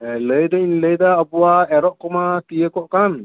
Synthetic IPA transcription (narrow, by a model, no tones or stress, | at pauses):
ləjd̪ainləjd̪aːbuwaɛɾɔʔkɔmat̪ijəkɔʔkan